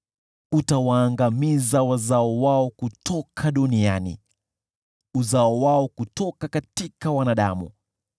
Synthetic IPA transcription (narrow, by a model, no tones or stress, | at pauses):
utawaːŋɡamizawazaɔwaɔkutʰɔkʰaɗunia̰nḭ | uzaɔwaɔkutɔkakatikawanaɗa̰mṵ